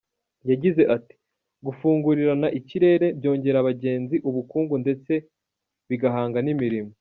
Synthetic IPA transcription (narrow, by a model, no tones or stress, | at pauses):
jaɟize̞ʔati̥ | ɡufuːŋɡuɾiɾanaʔiciɾe̞ːɾe̞bjo̞ːɲɟe̞ɾaβaɟe̞ːnziʔuβukuːŋɡunde̞t͡se̞ | βiɡaɦaːŋɡanimiɾimo